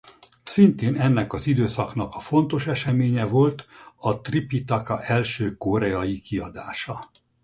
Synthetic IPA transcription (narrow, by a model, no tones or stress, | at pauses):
sint̪eːnɛnːɛkɒzid̪øːsɒknɒkɒfo̞nt̪o̞ʃɛʃɛmeːɲɛvo̞lt̪ɒt̪ripit̪ɒkɒʔɛlʃøːko̞ɾɛɒjikiɒd̪a̰ːʃɒ